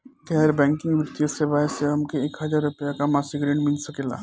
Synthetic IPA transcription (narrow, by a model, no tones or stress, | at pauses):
kɛɦɾbɛ̃ːŋkɪ̃ŋɡʋəɾt̪ijosebaːɪseɦɐmkeeːkɦɐd͡ʒaːɾɾʊpjakamaːsiɡɾeːɳmɪlsɐkeːla̰ː